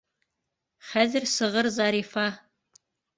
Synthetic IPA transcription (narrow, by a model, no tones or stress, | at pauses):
χæːzɨrsɨʁərzɑːɾiːfɑː